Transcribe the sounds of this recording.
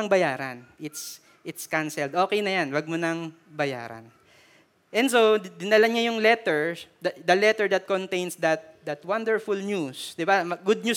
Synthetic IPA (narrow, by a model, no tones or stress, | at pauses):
ɐŋbɐjaːɾɐnʔɪt̪s | ʔɪt̪skansɛld̪ʔo̞ːkɛjnɐjanwɐɡ̚mʊnɐŋ | bɐja̰ːɾɐ̰n | ʔɛ̃nd̪sod̪ɪnɐlɐɲajʊŋlɛt̪ɛɹd̪d̪ɐlɛt̪ɛɹd̪ɐt̪̚kɔnt̪ejnsd̪ɐt̪̚d̪ɐt̪wand̪ɛɹfʊlɲjusd̪ɪbamɐɡʊd̪̚ɲu